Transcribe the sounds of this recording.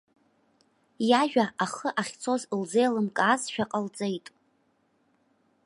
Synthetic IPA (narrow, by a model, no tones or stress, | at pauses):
jaʒᶣaʔaχəʔaχʲt͡sʰo̞zlzejalɨmkʼaːzʃᶣaqʼalt͡sʼejtʼ